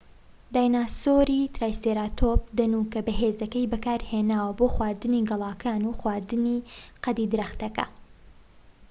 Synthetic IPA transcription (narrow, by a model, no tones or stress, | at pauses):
d̪aːjnaːsoɾit̪ɾaːjseːɾat̪ʰop̚d̪ɐnukɐbɐɦeːzɐkɐjbɨkaːɾheːnaːwɐboːxwaːɾd̪ɨniɡɨlˠɑːkʰaːnuxwaːɾd̪ɨniqɐd̪id̪ɨɾɐxt̪ɐkɐ̰